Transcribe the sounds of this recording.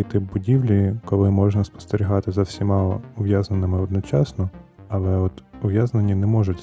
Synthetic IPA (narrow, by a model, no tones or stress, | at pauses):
jt̪ɪp̚bʊdʲiʋlʲikɔlˠɪmɔʒnɐspɔ̥st̪eɾʲiɦɑt̪ɪzɐwsʲimɑlˠɔ̰ʊʋjaznenɪmɪɔd̪nɔt͡ʃɑsnɔ | ɐlˠɛɔt̪ʊʋjaznenʲːinɛmɔʒʊtʲ